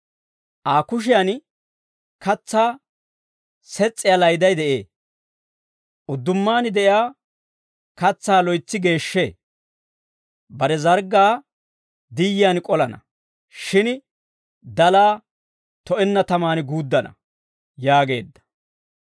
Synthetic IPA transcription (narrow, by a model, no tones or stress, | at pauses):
ʔaːkʊʃ̬ɪjan | kɐt͡sːaː | sɛt͡sʼːɪjalɐjd̪ɐjd̪ɛʔe̞ː | ʔʊd̪ːʊmːaːnɪd̪ɛʔjaː | kɐt͡sːaːlɔjt͡sːɪɡe̞ːʃːeː | bɐɾɛzɐɾɡːaː | d̪ɪjɪjankʼɔlɐnɐ̰ | ʃɪn | d̪ɐlaː | t̪ɔʔɛnːɐt̪ɐmaːnɡuːd̪ːɐnɐ̰ | jaːɡe̞̰ːd̪ːɐ̥